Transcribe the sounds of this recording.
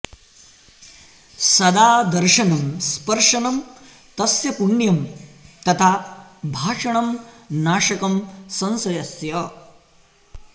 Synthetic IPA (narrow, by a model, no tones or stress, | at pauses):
sɐd̪aːd̪ɐɾʂɐnɐmspɐɾʂɐnɐm | t̪ɐsjɐpuɳjɐmt̪ɐt̪ʰaːbʱaːʂɐɳɐmnaːʂɐkɐmsɐ̃nsɐjɐsjɐ